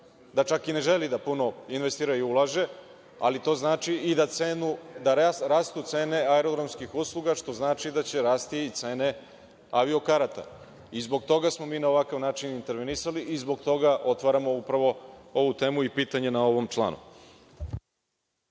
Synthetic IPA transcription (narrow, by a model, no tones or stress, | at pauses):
d̪at͡ʃakine̞ʒe̞lid̪apuno̞inʋe̞st̪iːɾaiulˠaʒe̞ | a̰lit̪o̞znaːt͡ʃiid̪aenud̪aɾaːst̪ut̪se̞ːne̞aeɾoɡ̪ɾomskixuslˠuɡaʃt̪o̞znaːt͡ʃid̪at͡ɕe̞ɾaːst̪iːt̪se̞ːne̞ | aʋio̞kaɾat̪a̰ | izbo̞ɡt̪o̞ɡasmo̞miːnaoʋakaʋnaːt͡ʃinint̪eɾʋenisaliʔizbo̞ɡt̪o̞ɡaʔo̞t̪ʋaɾamo̞upɾaʋo̞o̞ʋut̪e̞ːmuipiːt̪aɲe̞nao̞ʋo̞mt͡ʃlˠa̰ːnṵ